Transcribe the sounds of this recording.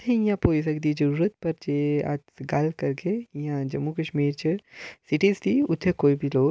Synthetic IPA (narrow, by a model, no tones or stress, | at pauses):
t̪ʰeĩjãpoːd͡ʒsɐkd̪id͡ʒɐɾuːɾət̪̚pɐɾt͡ʃea̰t̪ɡalkɐɾkeijãd͡ʒɐmːukɐʃmiːɾt͡ʃʰəsɪʈizt̪ʰiʊt̪ʰːekoːibʱiloːɡ